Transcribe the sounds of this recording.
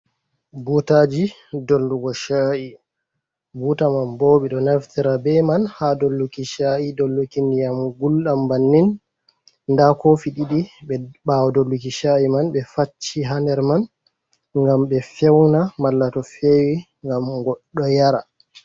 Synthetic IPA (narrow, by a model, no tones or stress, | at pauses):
butad͡ʒi | dolduɡɔʃaʔi | butamanboːɓɛɗɔnaftiɾabɛmanhadolːukiʃaidolːukindijamɡulɗambanːin | ndakofiɗiɗiɓɛɓawɔdɔlːukiʃaimanɓɛfat͡ʃːiɦandɛɾman | ŋɡamɓɛfɛwnamalːatɔfewi | ŋɡamɡɔɗɔjaɾa